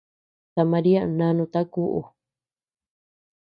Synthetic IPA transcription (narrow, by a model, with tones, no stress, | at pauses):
t̪a˨mã˧ɾi˦a˦˧nã˧nũ˧t̪a˦ku˧ʔṵ˨